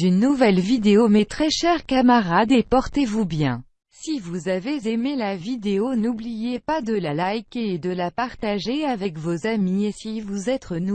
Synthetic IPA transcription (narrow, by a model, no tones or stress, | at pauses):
ynːuvɛlvid̪eomɛt̪χɛʃɛʁkamaʁad̪epɔʁt̪evubjɛ̃ | sivuzavezemelavid̪eonublijepad̪əlalajkeːd̪əlapaʁt̪aʒeavɛkvozamiesivuzɛt̪χənu